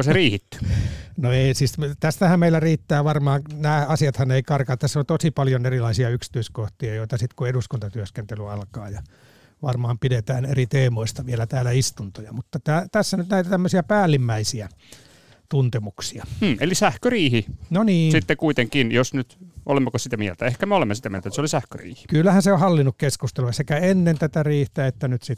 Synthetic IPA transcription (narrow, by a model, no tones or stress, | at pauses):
koseriːhit̪ːy̥noeisiːsmt̪æst̪æhæmmeilːˑæriːt̪ːæːʋɑrmɑːnnæːɑsiɑt̪hɑneikɑrkɑt̪ːæseont̪osipɑljonerilɑisiɑyksi̥t̪yiskoht̪iɑjoit̪ɑsit̪kueɾuskunt̪ɑt̪yøskent̪elyɑlkɑːjɑ | ʋɑrmɑːmpidet̪æːnerit̪eːmoist̪ɑʋiælæt̪æːlæist̪unt̪ojɑmut̪ːɑt̪æːt̪æsːænyt̪næit̪æt̪æmːøsiæpæːlːimːæisiæ | t̪unt̪emuksiɑm̩ːelisæhkøriːhinoniːsit̪ːekuit̪eŋkinjosnyt̪olemːokosit̪æmiɛlt̪æehkæmeolemːesit̪æmielt̪nseolisæhkø̰rḭːhi̥kylːæhænseohɑlːinːukkeskust̪elujɑsekæenːent̪æt̪æriːht̪æet̪ːænyt̪sit̪ː